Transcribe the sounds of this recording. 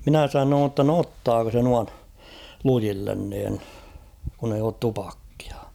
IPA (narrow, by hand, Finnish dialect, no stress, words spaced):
minæ sɑnoːn tːɑ no otːɑːko se nuɑn lujilːen niːn kun eij oːt tupɑkːi̥ɑ̥